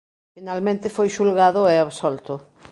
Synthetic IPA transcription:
finalmẽnt̪ɪfojʃulɣaðʊɛaβsɔlt̪ʊ

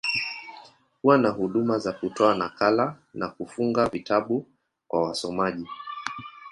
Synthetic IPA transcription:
kuwanahuɗumazakutɔanakala | nakufuŋɡavitaɓu | kwawasɔmaʄi

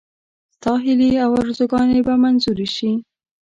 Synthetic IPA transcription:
sɑɦɪliawaɾzuɡɑnebamanzuɾiʃi

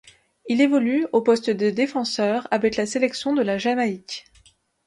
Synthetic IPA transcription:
ilevɔlyopɔst̪əd̪əd̪efɑ̃sœːʁavɛklaselɛksjɔ̃d̪əlaʒamaik

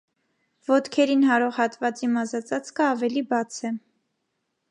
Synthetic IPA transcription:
vɔt̪kʰɛɾinɦɑɾɔʁhɑt̪vɑt͡simɑzɑt͡sɑt͡skʰəɑvɛlibɑt͡sʰɛ

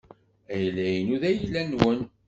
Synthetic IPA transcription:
æjlæjənuðæjəlːænwən

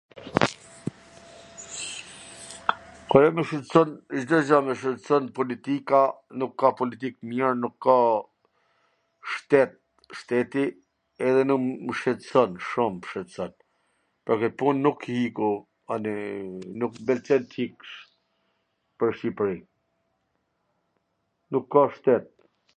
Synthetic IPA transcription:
kɔɾɛməʃɛt̪sɔnʒd̪ɔd͡ʑɔmɛʃət̪sɔnpɔlit̪ikanukːapɔlit̪ikmjɛɾnukʰːa | ʃt̪ɛt̪̚ | ʃt̪ɛt̪i | ɛðɛnuməʃɛt̪əsɔnʃumpə̥ʃɛt̪əsɔn | pɔɾkət̪punːukhiku | aninukbɛlt͡sɛnt̪ʰikʃ | pəɾʃipɾi | nukʰːaʃt̪ɛt̪̚

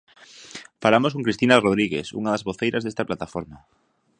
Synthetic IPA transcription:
falamoskõŋkɾist̪inaroð̞ɾiɣesṵŋaðazβoθejɾʔazðest̪aplat̪afoɾma

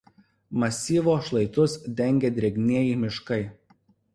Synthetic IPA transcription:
mɐsʲiːʋoːʃlˠɐɪt̪ʊsd̪ʲɛŋʲɡʲeːd̪ʲɾʲɛɡʲnʲeːjiːmʲɪʃkɐɪ

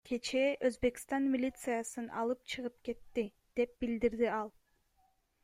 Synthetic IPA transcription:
kʲʰe̞t͡ʃeʔøzbe̞kʲi̥st̪ɑnmʲilʲit̪sɨjasɯnʔɑ̰lˠɯp̚t͡ʃʰɯʁɯp̚ke̞t̪ːi | d̪̥e̞p̚bild̪iɾd̪iɑlˠ

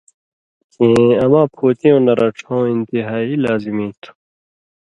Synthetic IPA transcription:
ẽːɐmãːpʰoːt̪ĩõnɐɾɐʈ͡ʂʰãwĩnt̪iɦaːiːlaːzimĩːt̪ʰu̥

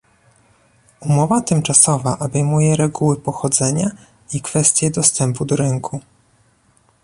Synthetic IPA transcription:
umɔvat̪ɘmt͡ʂasɔvaʔɔbɛjmujɛɾɛɡuwɘpɔxɔd̪zɛɲa | ikfɛst̪ʲjɛd̪ɔst̪ɛmpud̪ɔɾɘŋkʰu

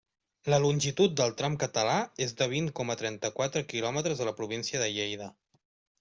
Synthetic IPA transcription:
ləlunʲʒit̪ut̪̚d̪əlˠt̪ɾamkət̪əlaezd̪əβ̞iŋkɔmət̪ɾɛnt̪əkwat̪ɾəkilɔmət̪ɾəzðələpɾuβ̞insiəðəʎejð̞ə

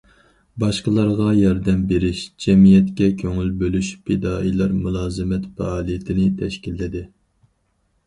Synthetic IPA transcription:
bɑʃqəlˠɑɾʁɑjɑɾd̪ɛmbeɾɪʃd͡ʒɛmijɛt̪kʲɛkʲʰøŋylbølyʃpʰed̪ɑːʔilˠɑɾmulˠɑːzɨmɛt̪fɛ̰ɑːlˠijɪt̪ʰɪnɪt̪ʰɛʃkʲilːɪd̪ɪ

